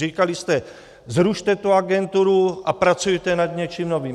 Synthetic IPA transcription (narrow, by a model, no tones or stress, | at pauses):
iːkalist̪ɛ | zɾuʃt̪ɛt̪uaɡɛnt̪uɾuʔapɾat͡sujɛt̪ɛnad̪ɲɛt͡ʃiːmnoviːm